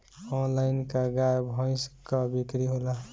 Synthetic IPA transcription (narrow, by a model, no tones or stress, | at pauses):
ɔnlajnkaɡajbʱɔ̃ɪ̃skabikɾiɦola